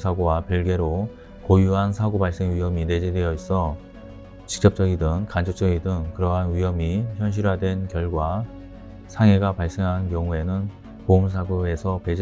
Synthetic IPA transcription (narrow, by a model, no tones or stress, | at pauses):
sʰaɡowapiɭɡe̞ɾo | kojuɦansʰaɡobaɭs͈eŋɥiɦʌmine̞d͡ʑedejʌis͈ʌ | t͡ɕi̥k̚t͡ɕ͈ʌp̚t͡ɕ͈ʌɡidɯŋkand͡ʑʰok̚t͡ɕ͈ʌɡidɯŋkɯɾʌɦanɥiɦʌmiçjʌnɕ̬ʰiɾɦadwe̞nkjʌɭɡwa | sʰaŋe̞ɡapaɭs͈eŋɦankjʌŋue̞nɯn | poumsʰaɡoe̞sʰʌped͡ʑ